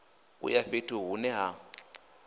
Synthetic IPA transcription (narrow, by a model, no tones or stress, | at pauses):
ṵjaɸetʰʼuɦunɛɦa